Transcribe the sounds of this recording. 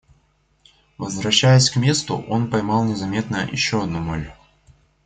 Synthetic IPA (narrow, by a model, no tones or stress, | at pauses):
vəzvɾɐɕːæjəsʲkmʲe̞st̪ʊ̰ʔo̞npɐjmɑlˠnʲɪzɐmʲe̞t̪nə̰jɪ̰ɕːoɐd̪numolʲ